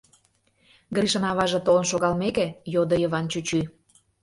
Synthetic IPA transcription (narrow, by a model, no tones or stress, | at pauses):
ɡɾiʃɤ̆nɑβɑʒĕt̪olə̆nʃoɣɑlmekejod̪ə̆jəβɑnt͡ɕut͡ɕy